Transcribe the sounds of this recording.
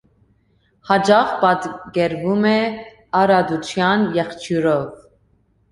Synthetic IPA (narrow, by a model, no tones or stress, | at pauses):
hɑd͡ʒɑχpɑt̪ɡɛɾvumɛ | ɑɾɑd̪ut͡sʰjɑnjɛχt͡ʃʰuɾɔv